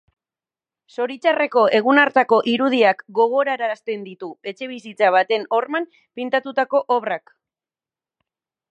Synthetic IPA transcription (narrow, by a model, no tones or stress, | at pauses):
so̞ɾit͡ʃare̞ko̞e̞ɣ̞unaɾt̪ako̞ʔiɾuð̞iakɡo̞ɣ̞o̞ɾaɾast̪e̞nd̪it̪ue̞t͡ʃe̞β̞isit͡saβ̞at̪e̞no̞rmam | pint̪at̪ut̪ako̞ʔoβrak